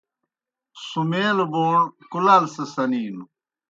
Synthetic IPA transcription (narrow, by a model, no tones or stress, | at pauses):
sumeːlboːɳkulalsɐsɐniːnu